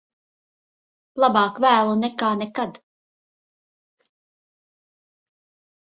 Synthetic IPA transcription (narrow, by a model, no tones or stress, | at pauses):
lˠabɑːkvæːlˠunɛkaːnɛkad̪